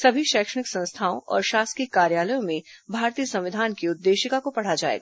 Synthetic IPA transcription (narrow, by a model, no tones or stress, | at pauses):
sɐbʱiʃɛːkʃəɽ̃ɪksɐ̃nst̪ʰaːõ̰ʔɔ̰ːɾʃaːskikːaːɾjaːləjõmẽbʱaːɾt̪ijəsɐ̃mʋɪd̪ʱaːnkiʊd̪ːeːʃɪkakopɐɽ̤ad͡ʒa̰ːḛːɡa